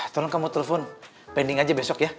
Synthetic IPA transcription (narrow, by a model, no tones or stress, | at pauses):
t̪ɔlɔnkamut̪elefɔn | pɛndiŋad͡ʒabesɔkja